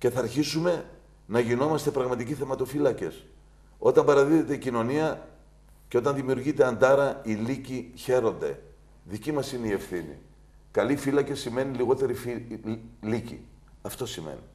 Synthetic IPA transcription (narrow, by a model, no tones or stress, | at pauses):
ce̞θɐɾçisume̞ | nɐʝino̞mɐst̪e̞pɾɐɣmɐt̪iciθe̞mɐt̪ofilɐce̞s | o̞t̪ɐmbɐɾɐðiðe̞t̪e̞icino̞niɐ | ceo̞t̪ɐnðimiuɾʝit̪e̞ɐnd̪ɐɾɐiliciçe̞ɾo̞nd̪e̞̰ | ðicimɐsineie̞fθinḭ | kɐlifilɐcesime̞niliɣo̞t̪e̞ɾifi | licḭ | ɐft̪o̞simḛnḭ